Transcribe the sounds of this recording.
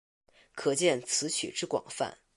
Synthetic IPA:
kʰɤ˨˩t͡ɕjɛ˥˩nt͡sʰɹ̩˧˥t͡ɕʰy̰˨˩ʈ͡ʂɻ̩˥kwɑ̰˨˩ŋfa̰˥˩n

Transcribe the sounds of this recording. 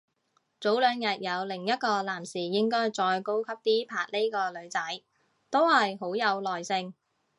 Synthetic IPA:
t͡so˨˥wlœː˨˧ŋjɐ˨˩t̚jɐ˨˧wlɪ˨˩ŋjɐ˥t̚kɔː˧laː˨˩msiː˨˩jɪ˥ŋkɔː˥jt͡sɔː˧jko˥wkʰɐ˥p̚t̪iː˥pʰaː˨˧k̚le˥kɔː˧lɵ˨˧ɥt͡sɐ˨˥j | t̪o˥whɐ˨jɦo˨˥wjɐ˨˧wlɔː˨jsɪ˧ŋ

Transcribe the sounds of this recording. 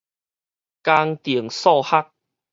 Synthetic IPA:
ka˧ŋt̪i˨˩əŋsɔ˥˧˨ha˦k̚

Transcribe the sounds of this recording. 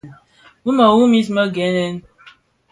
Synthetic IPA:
wu˦mə˨wu˦mi˦smə˦ɡɛ˨˦nɛ˦n

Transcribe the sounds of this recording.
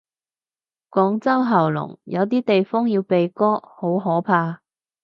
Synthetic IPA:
kʷɔː˨˥ŋt͡sɐ˥wɦɐ˨˩wlʊ̰˨˩ŋjɐ˨˧wt̪̬iː˥t̪e˨jfɔː˥ŋjiː˧wpe˨jkɔː˥ho˨˥wɦɔː˨˥pʰaː˧

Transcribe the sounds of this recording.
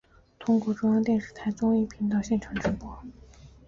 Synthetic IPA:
t̪ʰʊ˥ŋkwɔ˥˩ʈ͡ʂʊ˥ŋjɑ˥ŋt̪jɛ˥˧nʂ̩˥˩t̪ʰa˥ɪt͡sʊ˥ŋi˥˩pʰi˧˥ŋt̪ɑ˥˧ʊɕjɛ˥˩nʈ͡ʂʰɑ˧˥ŋʈ͡ʂɻ̩˧˥pwɔ˥

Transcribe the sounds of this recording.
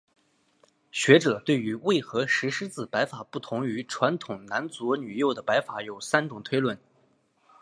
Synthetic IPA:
ɕɥɛ˧˥ʈ͡ʂɤ˨˩˦t̪we˥˩ɪy˧˥we˥˩ɪxɤ˧˥ʂɻ̩˧˥ʂɻ̩˥t͡sɹ̩˥˩pa˧˥ɪfa˨˩pu˥˩t̪ʰʊ˧˥ŋy˧˥ʈ͡ʂʰwa˧˥nt̪ʰʊ˨˩ŋna˧˥nt͡su˧˥ny˨˩jo˥˩ʊd̪ə˩pa˧˥ɪfa˧˩˥jo˨˩ʊsa˥nʈ͡ʂʊ˨˩ŋt̪ʰwe˥ɪlwə˥˩n

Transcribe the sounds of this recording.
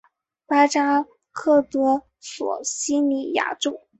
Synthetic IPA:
pa˥ʈ͡ʂa˥ | kʰɤ˥˩t̪ɤ˥ | swɔ̰˨˩ɕi˥ni˨˩ja̰˥˩ʈ͡ʂo˥˩ʊ

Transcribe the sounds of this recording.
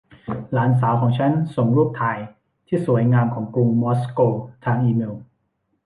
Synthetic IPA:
laː˩˦ns̬aː˩˦wkʰɔː˩˦ŋt͡ɕʰa˦˥nso˨˩ŋɾuː˥˩p̚t̪ʰaː˧j | t̪ʰiː˥˩suː˨˩˦əjŋaː˧mkʰɔː˩˦ŋku˧ŋmɔ˦˥skoː˧t̪ʰaː˧ŋʔiː˧me˧w

